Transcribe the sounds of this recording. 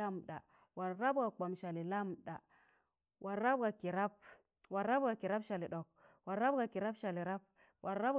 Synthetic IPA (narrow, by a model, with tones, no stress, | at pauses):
a˦mɗa̰˨ | wa˨ɾa˦bɡa˨k͡pa˨mʃa˨li˨la˦mɗa˨ | wʔa˨ɾa˦bɡa˨ki˨ɾa˦p̚ | wa˨ɾa˦bɡa˨ki˨ɾa˦bʃa˨li˨ɗo˨k̚ | wa˨ɾa˦b̚ɡa˨ki˨ɾa˦bʃa˨li˨ɾa˦p̚ | wʔa˨ɾa˦b